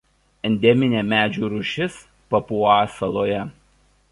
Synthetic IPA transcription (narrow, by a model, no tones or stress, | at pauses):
ɛnʲd̪ʲɛmʲɪnʲeːmʲæːd͡ʒʲuːɾʊʃʲɪs | pɐpuɑːsɐlˠoːjɛ